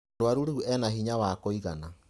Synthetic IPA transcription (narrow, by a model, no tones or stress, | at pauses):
ɾwaɾuɾuuɛnaɦiɲawakoiɣana